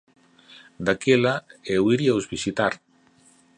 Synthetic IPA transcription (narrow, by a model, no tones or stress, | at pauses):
d̪akelaewiɾiawzβisit̪aɾ